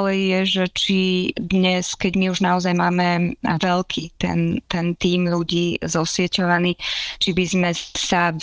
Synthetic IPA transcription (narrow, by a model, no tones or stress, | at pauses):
lɛjːɛʒɛt͡ʃid̪ɲɛskɛɟmiuʒnaɔzajmaːmɛʋɛlkʰiːt̪ɛ̰nt̪ɛnt̪iːmluɟiːzɔsʋɪɛcɔʋaniːt͡ʃibizmɛsa